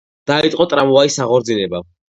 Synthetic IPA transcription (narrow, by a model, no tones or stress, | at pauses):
d̪̥ait̪ʼqʼɔt̪ʼɾamɔvaisaʁɔɾd̪zilɛba